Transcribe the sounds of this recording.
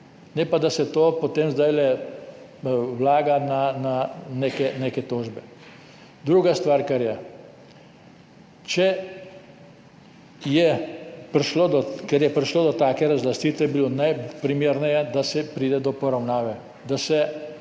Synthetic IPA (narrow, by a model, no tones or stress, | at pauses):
nɛpad̪asɛt̪oːpɔt̪eːmzd̪ajlɛ | wlaːɡanananekɛneːkɛt̪oːʒbɛ | d̪ɾuːɡast̪ʋaːɾkɛɾjɛ | t͡ʃɛ | jɛpɾiʃlod̪ɔkɛɾjɛpɾiʃloːd̪ɔt̪aːkɛɾazlast̪iːt̪ʋɛbilonajpɾimeːɾnɛjɛd̪asɛpɾiːd̪ɛd̪ɔpɔɾawnaːʋɛ | d̪asɛ